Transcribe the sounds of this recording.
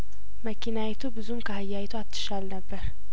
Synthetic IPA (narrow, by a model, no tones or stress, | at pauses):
məkʰinajɛt̪ʰubɨzumkʰahajːajt̪ʰuat̪ʰːɨ̥ʃalnəbːəɾ